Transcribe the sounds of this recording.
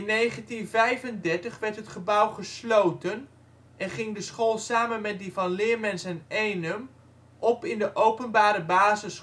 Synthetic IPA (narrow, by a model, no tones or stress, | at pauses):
nːejχəntinvɛjvəndɛɹtəχʋɛɹtɦətχəbʌwχəslowtən | ʔɛnχɪŋdəsχoːlˠsaːmənmɛt̚divɑnlɪːɹmɛnsənejnəm | ʔɔpɪndəʔowpənbaːɾəbaːzəs